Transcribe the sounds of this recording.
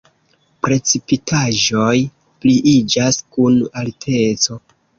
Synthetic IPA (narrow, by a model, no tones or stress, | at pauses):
pɾe̞t͡sipitʰaʒo̞j | pliʔid͡ʒaskunaltʰe̞t͡so̞